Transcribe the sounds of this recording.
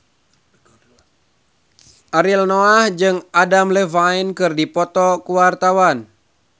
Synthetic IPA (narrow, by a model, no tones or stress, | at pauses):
ʔaɾilnɔahd͡ʒɨŋadamləvainkɨrdipɔt̪ɔkuwart̪awan